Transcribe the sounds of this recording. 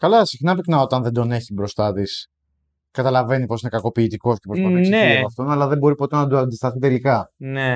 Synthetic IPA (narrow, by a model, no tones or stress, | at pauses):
kɐlɐsixnɐpiknɐo̞t̪ɐnðend̪o̞ne̞çibɾo̞st̪ɐt̪is | kɐt̪ɐlɐve̞nipo̞sinekɐko̞piːt̪iko̞ceposɐeɐɐft̪o̞nɐlɐðembo̞ɾipo̞t̪enɐd̪oɐnd̪ist̪ɐθit̪e̞likɐne